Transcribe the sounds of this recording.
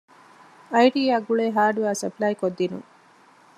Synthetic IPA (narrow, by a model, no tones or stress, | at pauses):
ɐjʈiːɐɡuɭeːɦaːɖuaːsɐplɐjkod̪ːinṵ